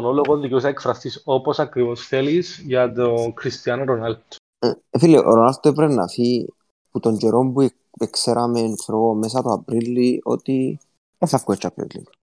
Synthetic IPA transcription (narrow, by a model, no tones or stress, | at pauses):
onoloɣoðiceusɐekfɾɐst̪isoposɐkɾivosθelisʝɐt̪okɾist̪iɐnoɾonalt̪ | fileʔo̰ɾonalt̪ːoepɾenːɐ̰fi | put̪oɲd͡ʒeɾombu | ekseɾʔɐmenfɾoɣomesɐt̪oapɾilːio̞̰t̪i | esɐfkuet͡ʃːapɾḭlːḭn